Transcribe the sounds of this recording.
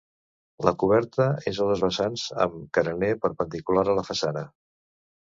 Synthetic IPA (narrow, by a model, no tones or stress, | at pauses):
ləkuβ̞ɛɾt̪əezəðəzβəsanzə̰mkəɾənepəɾpənd̪ikulaɾələfəsanə